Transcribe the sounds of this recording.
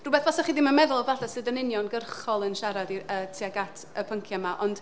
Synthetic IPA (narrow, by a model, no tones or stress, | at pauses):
rʊubɛθvɔsaχiːdɪmamɛðʊlˠɔvaɬasɨːdənɪnjɔnɡərχɔlˠənʃaɾadiətʰiaɡatʰəpʰəŋkʰjamaʔɔnd̥